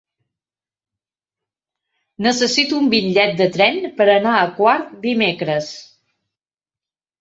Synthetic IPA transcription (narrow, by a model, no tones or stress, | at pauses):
nəsəsit̪uumbiʎːɛt̪̚d̪ət̪ɾɛnpəɾənaəkwaɾt̪d̪imekɾəs